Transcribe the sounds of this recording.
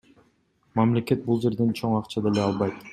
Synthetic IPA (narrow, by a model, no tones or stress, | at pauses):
mamle̞ke̞t̪̚bulˠd͡ʒe̞ɾd̪e̞nt͡ʃʰo̞ɴŋɑqt͡ʃɑd̪eleɑlˠβɑjt̪